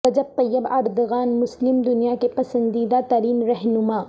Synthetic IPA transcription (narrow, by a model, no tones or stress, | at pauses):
ɐd͡ʒɐb̚t̪ɐjːəba̰ːɾd̪ɣaːnmʊslɪmd̪ʊnijakepɐsə̃nd̪iːd̪at̪ɐɾiːnɾɐɦnʊmaː